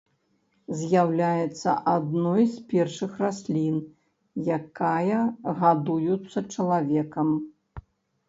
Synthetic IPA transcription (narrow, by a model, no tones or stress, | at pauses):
zʲjawlʲajɛt̪sːɐ̰ʔad̪nɔjspʲɛrʂɨxrasʲlʲin | jakajɐɣad̪ujut̪sːɐt͡ʂɐlˠavʲɛkɐm